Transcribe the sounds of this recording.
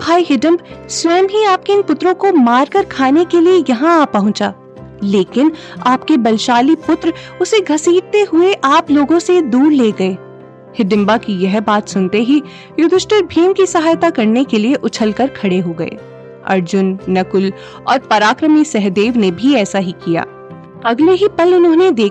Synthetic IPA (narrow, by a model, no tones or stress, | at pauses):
bʱaːiɦɪɖə̃mbswɛːmɦiaːp̚keɪ̃npʊt̪ɾõkomaːɾkɐɾkʰaːnekeliejɐɦãaːpːɐɦʊ̃t͡ʃaː | leːkɪn | aːpkebɐlʃaːlipʊt̪ɾʊseɡʱɐsiːʈt̪eɦʊeʔaːploːɡõsed̪uːɾleːɡɐeː | hɪd̪ɪ̃mbakijɛɦbaːt̪sʊnt̪eɦi | jʊd̪ʱɪʃʈəɾbʱiːnkisɐɦaːjt̪akɐɾnekelieʔʊt͡ʃʰəlkɐɾkʰɐɽeɦoɡɐḛː | ɐ̰ɾd͡ʒʊnːɐkʊl | ɔːɾpɐɾaːkɾəmisɛɦd̪eːʋnebʱiɛːsaɦikija̰ː | ɐɡleɦipɐlɪnɦõːned̪eː